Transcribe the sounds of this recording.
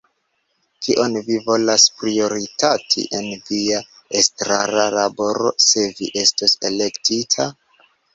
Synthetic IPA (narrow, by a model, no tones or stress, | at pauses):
kʰiʔo̞nvivo̞laspɾio̞ɾitatʰḭʔe̞nvia | estɾaɾalabo̞ɾo̞̰se̞viʔe̞stosele̞ktitʰa